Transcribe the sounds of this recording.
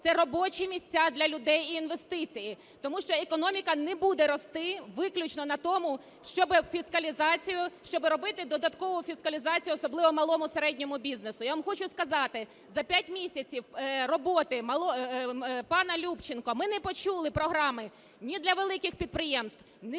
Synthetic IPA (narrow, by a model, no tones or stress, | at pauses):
t̪sɛɾɔbɔt͡ʃimʲisʲt͡sʲad̪lʲɐlʲʊd̪ɛjiːnʋest̪ɪt͡sʲiji | t̪ɔmuʃt͡ʃɔekɔnɔmʲikɐnɛbud̪ɛɾɔst̪ɪʋɪklʲʊt͡ʃnɔnɐt̪ɔmʊ | ʃt͡ʃɔbɪfʲiskɐlʲizɑt͡sʲijʊʃt͡ʃɔbɪɾɔbɪt̪ɪd̪ɔd̪ɐt̪kɔʋʊfʲiskɐlʲizɑt͡sʲijʊɔsɔblˠɪʋɔmɐlˠɔmʊseɾɛdʲnʲɔmʊbʲiznesʊjaʋamxɔt͡ʃʊskɐzɑt̪ɪ | zɐpʲjatʲmʲisʲɐt͡sʲiwɾɔbɔt̪ɪmɐlˠɔ | pɑnɐlʲupt͡ʃɪnkɔmɪnɛpɔt͡ʃulˠɪpɾɔɦɾɑmɪ | nʲid̪lʲɐʋelˠɪkɪxpʲid̪̚pɾɪjɛmst̪w̥ | nɛ